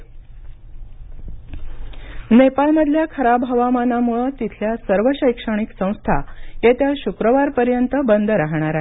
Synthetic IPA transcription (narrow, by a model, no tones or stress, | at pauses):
nepalməd̪ʱljakʰəɾabɦəʋamanamuɭət̪it̪ʰljasəɾʋəɕəjkʂəɳ̃iksə̃w̃st̪ʰa̰jet̪jaɕukɾəʋaɾpəɾjənt̪əbənd̪ʱəɾaɦɳ̃aɾae